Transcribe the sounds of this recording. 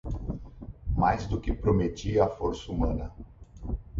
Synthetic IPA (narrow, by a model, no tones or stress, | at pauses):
majzd̪ʊkɪpɾomet͡ʃiɐːfoɾsɐumɐ̃nɐ